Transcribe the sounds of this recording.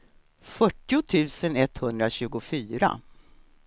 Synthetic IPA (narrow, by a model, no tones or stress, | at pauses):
fœʈːɪʊt̪ʰʉ̟ːsənɛt̪hɵnd̪ɾaɕʉ̟ːɡʊfyːɾa̰